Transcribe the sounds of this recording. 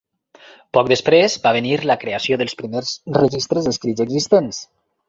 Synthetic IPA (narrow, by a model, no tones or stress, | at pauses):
pɔk̚d̪əspɾezbaβeniɾləkɾeasioðəlˠspɾimeɾzrəʒist̪ɾəzðəskɾizəɡzist̪ens